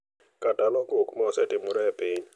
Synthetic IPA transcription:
kadanɔɡokmɔsɛtɪmʊɾɛpiɲ

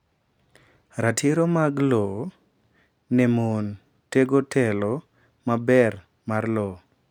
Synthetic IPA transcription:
ɾatʰiɾomaɡlɔ | nɛmon | teɡotʰɛlɔ | mabɛr | marlɔ

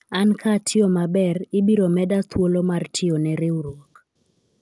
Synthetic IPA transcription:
ankʰatʰɪɔmabɛrɪbiɾomɛdat̪ʰwolomartʰɪɔnɛɾɪwɾwok

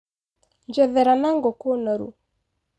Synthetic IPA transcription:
ɲd͡ʒɛðɛɾanaŋɡokonɔɾṵ

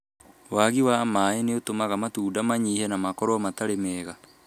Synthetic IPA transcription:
waɣiwamaeneotomaɣamatuːdamaɲiːhɛnamakɔɾɔmataɾemɛːɣa

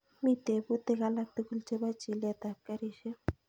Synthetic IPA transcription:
mit̪ebut̪ekalak̚t̪ukult͡ʃebat͡ʃilet̪ap̚kaɾiʃe

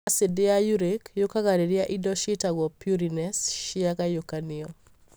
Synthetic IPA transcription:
sɪdɪajuɾekjokaɡaɾeɾɪaʔidɔʃɪtaɡɔpjuɾinɛsʃɪakajokanɪɔ

